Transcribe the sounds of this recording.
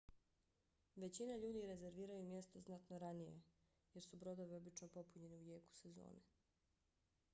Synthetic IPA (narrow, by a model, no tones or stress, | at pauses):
ʋe̞t͡ɕinaʎuːd̪iɾe̞ze̞ɾʋiːɾajumje̞st̪oznat̪noɾanije̞̰ | je̞ɾsubɾo̞d̪o̞ʋio̞bit͡ʃnopo̞puɲe̞niuje̞ːku̥se̞zo̞̰ːne